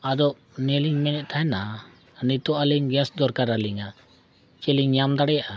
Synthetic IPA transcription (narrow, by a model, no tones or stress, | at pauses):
ad̪ɔʔ | nɛliɲmɛnɛʔ̚t̪ʰaɦɛna | nit̪ɔʔaliɲɡɛ̃sd̪ɔɾkaɾaliŋa | t͡ʃɛliɲɲamd̪aɽɛjaʔa